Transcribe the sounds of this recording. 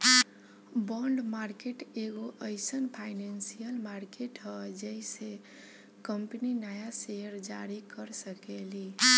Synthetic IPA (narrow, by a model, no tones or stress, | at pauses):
bɔɳɖmaɾkeʈeɡoʔəɪsənpʰaɪnensijəlmaɾkeʈɦəd͡ʒəise | kəmpninajaseəɾd͡ʒaɾikəɾsəkeli